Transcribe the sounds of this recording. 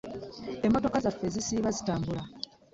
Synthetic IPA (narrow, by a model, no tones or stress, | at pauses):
e̞mːo̞to̞kazafːe̞zisiːβazitaːmbula